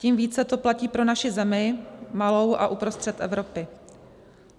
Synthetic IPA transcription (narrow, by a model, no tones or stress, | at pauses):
ciːmviːt͡sɛt̪o̞placiːpɾo̞naʃɪzɛmɪmalo̞wʔaʔupɾo̞st̪r̥ɛt̪ʔɛ̰vɾo̞pɪ